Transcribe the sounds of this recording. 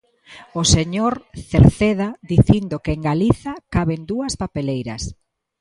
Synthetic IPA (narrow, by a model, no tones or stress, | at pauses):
oseɲoɾθeɾθeð̞aðiθind̪okɪeŋɡaliθɐkaβend̪uɐspapelejɾɐ̰s